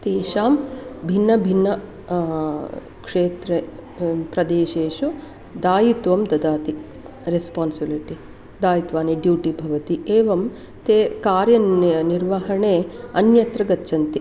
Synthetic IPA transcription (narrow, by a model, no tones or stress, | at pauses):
t̪eːʃaːmbʱinːɐbʱinːɐ | kʂeːt̪ɾepɾɐd̪eːʃeːʃu | d̪aːjit̪ʋɐmd̪ɐd̪aːt̪i | ɾespaːnsibiliʈi | d̪aːjit̪ʋaːniɖjuːʈibʱɐʋɐt̪ieːʋɐm | t̪eːkaːɾjɐɐniɾʋɐɦɐɳeːɐnjɐt̪ɾɐɡɐtːt͡ʃʰɐnt̪i